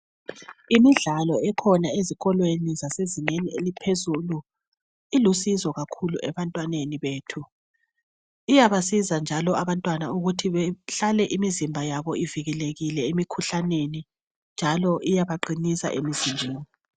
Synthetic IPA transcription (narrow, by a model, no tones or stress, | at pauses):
imiɮalɔɛkʰɔnaeziɣɔlwenizaseziŋenielipʰezulu | ilusizɔɣakʰuluʔɛβantʼwaneniβeːtʰu | ijaβasizand͡ʒʱalɔaβantʼwanauɣutʰiβɛɬalɛʔimizimbʱajaβɔiviɣɛleɣilɛemikʰuɬaneni | nd͡ʒʱalɔʔijaβaǃinisa̰ʔemizinʱeːni